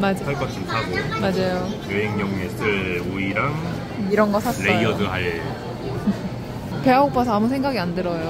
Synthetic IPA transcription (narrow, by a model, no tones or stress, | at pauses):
mad͡ʑasʰaɭk͈ʌɕʰinsʰaɡomad͡ʑajooɦeŋɲʌŋesʰɯɭuiɾaŋ | iɾʌnɡʌsʰasleʌiʌdɯɦaɭe | pe̞aopʰasʰʌamus̬ʰe̞ŋɡaɡiandɯɾʌjo